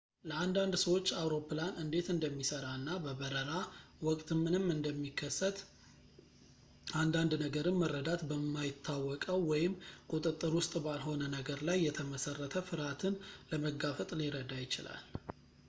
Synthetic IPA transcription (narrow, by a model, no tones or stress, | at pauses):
ləand̪and̪səwo̞t͡ʃːawɾo̞pːɨlanɨnd̪e̞t̪ɨnd̪əmːisəɾanːabəbəɾəɾawɔkʼt̪ʰmɨnɨmːɨnd̪əmːikʰːəsːət̪ | and̪and̪nəɡəɾɨnːərːəd̪at̪bəmːajɪt̪ʰːawːɔkʼəwːɔjɪmkʼut̪ʼɨt̪ʼːɨɾwʊst̪ʼbalɦo̞nənəɡəɾlajːɛt̪ʰəməsərːət̪ʰəfɨɾat̪ʰɨnləməɡafət̪ʼliɾəd̪ajɪt͡ʃɪla̰l